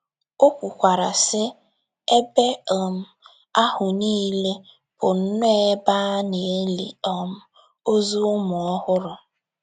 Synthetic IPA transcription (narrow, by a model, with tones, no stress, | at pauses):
o˦kʷu˨kʷa˨ɾa˨sɪ˦ | e˦be˦ɔ˨m̩˦ | a˦hʊ˨niː˦le˦ | pʊ˨n̩˦nʊ˦e˦ba˦ne˨e˦li˨ɔ˦m̩˦ | o˦zu˦ʊ˦mʊ˨ɔ˦hʊ˦ɾʊ˨